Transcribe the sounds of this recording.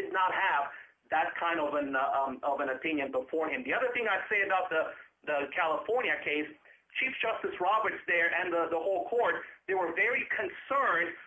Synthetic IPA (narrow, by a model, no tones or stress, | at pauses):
dɨdⁿnət̚həv | ðɨt̚kʰãɪ̃ndʌvɨ̃nʌvɨ̃nɨpʰɪ̃njɨ̃nbəfɔɹɨ̃mðiʌðə˞θɪ̃ŋaɪ̥seɪɨbaʊt̪̚ðəðəkʰælˠəfɔɹnjɨkʰeɪs | t͡ʃʰifd̥ʒ̥ʌstɨsɹɑbə˞tsðə˞ʔɨ̃nðəðəhoʊlˠkʰɔɹt̪̚ðeɪwə˞vɛɹikʰɨ̃nsɜ̃˞nd